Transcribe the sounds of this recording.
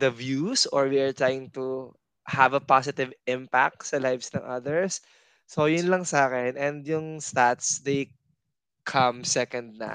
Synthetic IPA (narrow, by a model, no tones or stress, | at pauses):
d̪ɐvjusɔɹwiɐɹt̪ɹaːjɪŋt̪u | havɐpasɪt̪ɪvɪ̃mpa̰k̚t̪sɐlajvsnɐ̃ŋʔɐðɛɹsː | ojʊnlɐŋsaːkɛnʔɛnd̪jʊŋst̪at̪sd̪ej | kʰɐmsɛkɐ̃nd̪̚nɐ̰